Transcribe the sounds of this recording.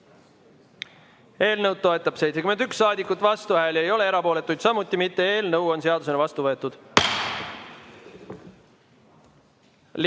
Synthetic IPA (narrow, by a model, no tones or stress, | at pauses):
e̞ːlnɤwd̪̚t̪ːo̞e̞t̪ˑːɑb̥sejt̪sekyme̞nyksːɑːd̪ikːˑut̪ːˑvɑst̪uvæeljejo̞le̞eɾɑpo̞ːle̞t̪ːˑujd̪̥sɑmut̪ːˑimit̪ːe̞e̞ːlnəwo̞nse̞ɑd̪use̞nɑvɑst̪uvɤ̞et̪ːˑud̪̥ | l